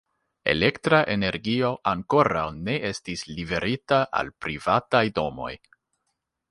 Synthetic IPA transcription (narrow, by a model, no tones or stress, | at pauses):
e̞̰le̞ktɾaʔe̞ne̞ɾɡio̞ʔaŋko̞ɾawne̞ʔestislibe̞ɾʔitaʔa̰lpɾivatajdo̞mo̞̰j